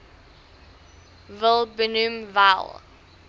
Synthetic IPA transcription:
vəlˠbənʉmva̰lˠ

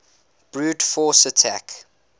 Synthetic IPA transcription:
b̥ɹuːtfɔˑsətʰæk

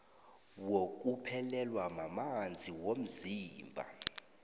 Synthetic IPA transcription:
wok̬ʼupʰɛlɛlwamamand͡zʱiwom̩ziːmbʱa̰

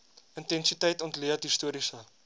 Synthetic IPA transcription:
əntɛnsitəjtɔntliətɦistuəɾisə

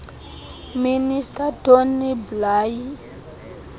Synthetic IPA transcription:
ministatoniblaji

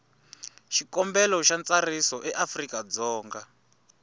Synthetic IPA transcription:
ʃikɔmbɛlɔʃant͡sarisɔʔɛʔafrikad͡zɔːŋɡa

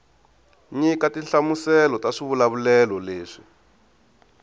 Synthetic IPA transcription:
ɲikatiɬamusɛlɔtaʂiβulaβulɛlɔleːʂi

